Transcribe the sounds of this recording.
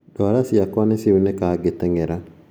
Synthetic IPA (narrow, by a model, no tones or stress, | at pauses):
dɔaɾasiakwanesiunɛkaːɡetɛŋɡɛɾa